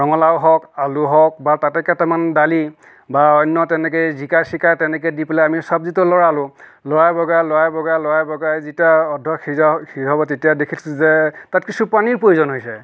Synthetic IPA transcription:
ɹɔŋɔlawɦɔkaluɦɔk̚batatɛkɛtɛmandali | baɔjnːɔtɛnɛk̬ɔjzikasikajtɛnɛk̬ɛdipelɛamisɔb̚zitʊlɔɹalʊ̃lɔɹajbɔɡajlɔɹajbɔɡajlɔɹajbɔɡajzitiaɔdʱːɔkʰikʰiɦɔbɔtetijadekʰisɛzɛtatkisupaniɹpojuzɔnɦojsɛ

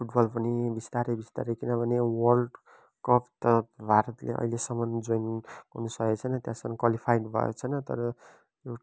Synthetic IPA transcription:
pʰuʈbʌlpʌnibist̪aɾebist̪a̰ɾekinʌbʱʌnewʌrɖ | kʌpʰt̪ʌbʱaɾʌt̪lḛʔʌ̰ilesʌmʌnd͡zojnʌnusʌket͡sʰʌjnʌt̪jãsʌmkwalipʰajɖbʱʌ̰jo̰t͡sʰʌnʌt̪ʌ̰ɾʌ | jo

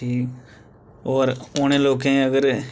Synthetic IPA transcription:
iː | oːɾoñẽːloːk̬ẽːəɡəɾ

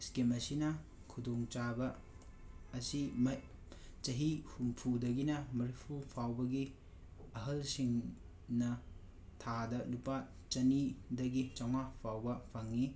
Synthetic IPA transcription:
skemɐsinɐ | kʰudoŋt͡ʃabɐː | simɐ | t͡ʃɐɦihumpʰudɐɡinɐmɐɾipʰupʰawbɐɡi | ɐɦɐlsiŋ | nɐ | tʰadɐlupa | t͡ʃɐnidɐɡit͡ʃawŋapʰawbɐpʰɐŋːi

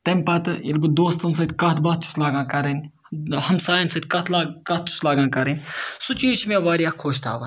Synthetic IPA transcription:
t̪ɐmʲpɐt̪ɨjɐlbɨd̪oːst̪ɐnsɐt̪ʲkɐt̪ʰbat̪̚t͡ʃʰu̥slaːɡãːkɐɾenʲ | hɐmsaːjɐnsɐt̪̚kɐt̪ʰlaːkɐt̪̚t͡ʃʰu̥slaːɡãːkɐɾenʲsut͡ʃiːt͡ʃʰmẽʋaːɾijaːkʰoːʃt̪ʰa̰ːʋɐ̰n

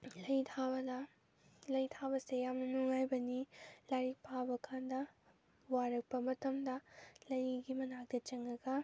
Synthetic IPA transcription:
lɐjt̪ʰabɐd̪ɐ | lɐjt̪ʰabɐsejamnɐnuŋajbɐnilɐɾipʰabɐkʰand̪ɐ | waɾɐk̚pɐmɐt̪ːɐmd̪ɐlɐjiɡimɐnak̚d̪ɐt͡ʃɐŋɡɐɡɐ

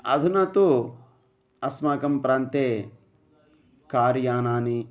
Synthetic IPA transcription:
ɐ̰d̪ʱunɐt̪u | ɐsmaːkɐmpɾaːnt̪eː | kaːɾjaːnaːni

